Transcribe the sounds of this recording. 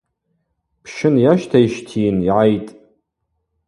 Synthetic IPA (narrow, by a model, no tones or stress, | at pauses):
pʰʃɪnjaʃtʰaiʃtʰiːniʕajtʼ